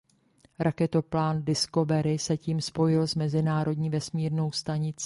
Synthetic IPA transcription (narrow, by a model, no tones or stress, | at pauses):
ɾʔakɛt̪o̞plaːndɪsko̞vɛɾɪsɛciːmspo̞jɪlzmɛzɪnaːɾo̞dɲiːvɛsmiːɾno̞wst̪aɲɪt͡sː